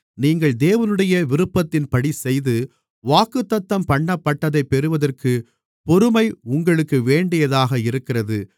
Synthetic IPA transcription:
niːŋɡɐɭd̪eːʋɐnɯɽɐjɐʋɪɾɯpːɐt̪ːɪnpɐɽisɛjðɯ | ʋaːkɯt̪ːɐt̪ːɐmpɐɳːɐpːɐʈːɐðɐɪpːɛɾɯʋɐðɐrkɯ | pɔɾɯmɐɪʊŋɡɐɭɯkːɯʋeːɳɖɪjɐðaːɣɐɪɾɯkːɪrɐðɯ

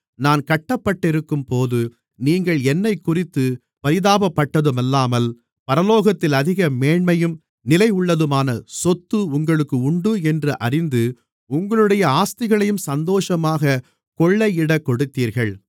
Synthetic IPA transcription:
naːnkɐʈːɐpːɐʈːɪɾɯkːɯmpoːðɯ | niːŋɡɐɭɛnːɐɪkːʊrɪt̪ːɯ | pɐɾɪðaːbɐpːɐʈːɐðɯmɐlːaːmɐl | pɐɾɐloːɣɐt̪ːɪlɐðɪɣɐmeːɳmɐjɯm | nɪlɐɪʊɭːɐðɯmaːnɐsɔt̪ːɯʊŋɡɐɭɯkːɯʊɳɖɯɛndrɯʔɐrɪnd̪ɯ | ʊŋɡɐɭɯɽɐjɐaːst̪ɪɣɐɭɐjɯmsɐnd̪oːʂɐmaːɣɐ | kɔɭːɐɪɪɽɐkːɔɽɯt̪ːiːɾɣɐɭ

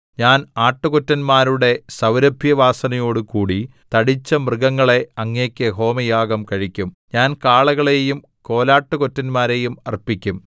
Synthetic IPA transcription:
ɲaːnaːʈːukotːɐnmaːɾuɽe̞sɐwɾɐbʱjɐʋaːsɐnɐjo̞ːɽɨkuːɽi | t̪ɐɽit͡ɕːɐmrɨɡɐŋːɐɭe̞ɐŋːeːkʲːɨɦo̞ːmɐjaːɡɐmkɐɻikʲːum | ɲaːnkaːɭɐɣɐɭe̞jum | ko̞ːlaːʈːɨkotːɐnmaːɾe̞jumɐrpikʲːum

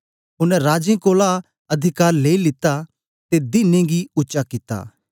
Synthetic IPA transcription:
ɦʊnɛ̃ɾaːd͡ʒẽkoːla | ɐd̪ʱɪkaːɾleːilɪt̪a | t̪ed̪ɪnẽɡiʊtːʃakɪt̪a̰ː

